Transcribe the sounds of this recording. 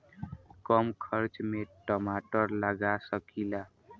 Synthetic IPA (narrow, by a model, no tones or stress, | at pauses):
kɔmkʰʌɾt͡ʃmeʈɔmaʈəɾlaɡasəkila